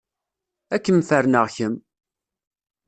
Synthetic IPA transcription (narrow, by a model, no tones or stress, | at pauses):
ækːəmfəɾnəʁçəm